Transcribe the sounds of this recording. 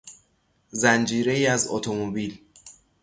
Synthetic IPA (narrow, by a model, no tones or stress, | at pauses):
zænd͡ʒiːɾe̞iːæzo̰t̪ʰomobiːl